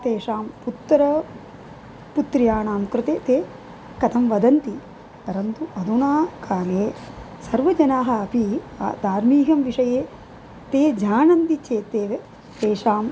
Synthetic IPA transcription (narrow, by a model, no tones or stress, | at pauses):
t̪eːʂaːmput̪ːɐɾɐ | put̪ɾijaːɳaːmkɾɪt̪eːt̪eː | kɐt̪ʰɐmʋɐd̪ɐnt̪i | pɐɾɐnt̪uʔɐd̪unaːkaːleː | sɐɾʋɐd͡ʒɐnaːɦɐ̆ɐpḭ | d̪aːɾmiːɦɐmʋiʂɐjeː | t̪eːd͡ʒaːnɐnt̪it͡ʃeːt̪eːʋe | t̪eːʂaːm